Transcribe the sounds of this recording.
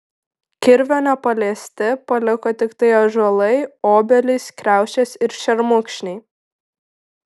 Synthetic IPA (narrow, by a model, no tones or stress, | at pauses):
kʲɪɾʲʋʲoːnʲɛpɐlʲeɛsʲt̪ʲɪpɐlʲɪkoːt̪ʲɪkt̪ɐɪɐʒʊɔlˠɐɪoːbʲɛlʲɪskɾʲæˑʊʃʲt͡ʃʲeːsʲɪɾʃʲɛɾmʊkʃʲnʲɛɪ